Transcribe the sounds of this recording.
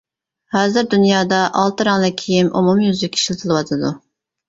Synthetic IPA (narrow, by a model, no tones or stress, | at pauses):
hɑːzɨɾd̪ynjɑːd̪ɑʔɑlˠt̪ɨɾɑŋlˠɨkʲʰijimṵmumjyzikʲʰːi̥ʃilˠt̪ʰɨlˠɨwɑt̪ʰɨd̪u